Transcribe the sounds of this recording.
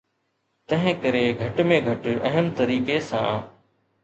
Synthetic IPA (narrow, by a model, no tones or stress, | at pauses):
t̪ɐ̃ɦɪ̃kɐɾeɡʱɐʈmẽɡʱɐʈɐɦəmt̪ɐɾiːkesã̰ː